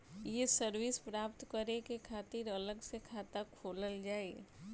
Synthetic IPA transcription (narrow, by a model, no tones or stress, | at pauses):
jesəɾwɪspɾaːp̚t̪kəɾekekʰaːt̪ɪɾələɡsekʰaːt̪akʰoːləld͡ʒaːe